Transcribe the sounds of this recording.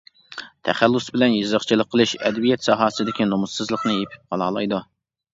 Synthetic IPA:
t̪ʰɛχælːʊsbɪlɛnjɨzəχt͡ʃʰilˠəqʰːəlˠɨʃɛ̰d̪ɛbijɛt̪sɑɦɑːsɨd̪ɪkʲinomʊssɨzlˠəqnɨjepʰɪ̥p̚qʰɑlˠɑːlˠɑjd̪u

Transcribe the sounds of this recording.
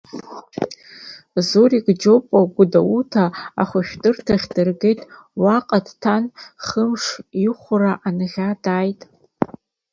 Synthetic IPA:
zoɾiɡd͡ʒopʼaɡʷʊdawutʰa̰ːχʷaʃᶣdɨrtʰaχʲdɨrɡejtʼwaqʼadtʰanχəmʂiχʷʊraʔanɨʁʲadaːjtʼ

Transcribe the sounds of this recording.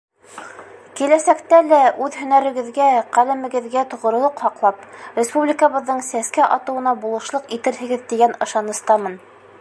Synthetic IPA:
kilæsækt̪ælæʔʉðhɵ̆næɾɘ̆ɡɘ̆ðɡæqælɘ̆mɘ̆ɡɘ̆ðɡæt̪ŏʁŏɾŏlˠɤqhɑqlˠɑprʲɪspublʲɪkəβɤ̆ðːɤɴsæskæʔɑt̪ɤ̆wɤ̆nɑbulˠɤ̆ʃlˠɤqit̪ɘɾɦɘ̆ɡɘðt̪iɡænɤ̆ʃɑnɤ̆st̪ɑmɤn

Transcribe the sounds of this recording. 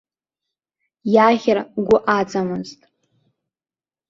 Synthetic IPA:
jaʁʲɪrɡʷʊʔat͡sʼamɨztʼ

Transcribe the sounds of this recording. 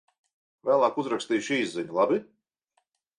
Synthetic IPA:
væːlˠaːkuzɾakst̪iːʃiːzziɲulˠabi

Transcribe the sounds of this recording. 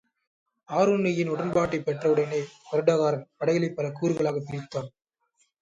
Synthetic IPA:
aːɾuːnɪjɪnʊɽɐnbaːʈːɐɪpːɛʈrɐɯɽɐnɐɪpɐɾɯɽɐːɣaːɾɐnpɐɽɐɪɣɐɭɐɪpːɐlɐkuːɾɯɣɐɭaːɣɐpːɪɾɪt̪ːaːn

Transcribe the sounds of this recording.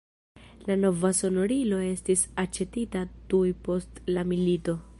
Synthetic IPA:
lano̞vaso̞no̞ɾilo̞e̞stisat͡ʃe̞titadujpo̞stlamilito̞

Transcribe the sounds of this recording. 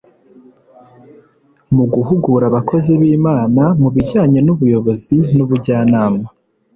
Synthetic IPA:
muɡuɦuɡuɾaβakʰo̞ziβiːmaːnamuβiɟaːɲe̞nuβujo̞βo̞zinuβuɟaːnaːma

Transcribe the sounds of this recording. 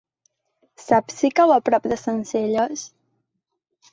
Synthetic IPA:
sapsikawapɾɔp̚d̪əsənziʎos

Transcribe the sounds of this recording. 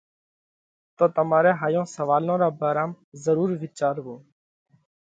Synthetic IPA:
t̪oːt̪əmaːɾeːɦaːjõːsəʋaːlõːɾaːbaːɾaːm | zəɾuːɾʋɪt͡ʃaːɾɦõː

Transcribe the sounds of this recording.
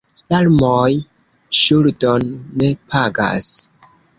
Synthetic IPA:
lalmoj | ʃuldonːe̞pʰaɡa̰s

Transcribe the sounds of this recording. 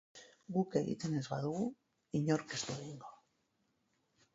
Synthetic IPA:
ɡukeɣḭt̪ene̞zβa̰ðuɣu | iɲo̞ɾkezd̪oðiŋɡo

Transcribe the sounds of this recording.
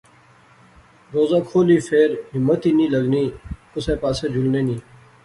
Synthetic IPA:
ɾoːzãːkʰoːliːfʰeːɾɦɪmːət̪iːnĩːləɡniːkʊsẽːpaːseːd͡ʒʊlneːnĩː

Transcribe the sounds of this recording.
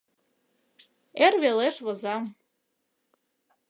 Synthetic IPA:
erveleʃvɤzɑm

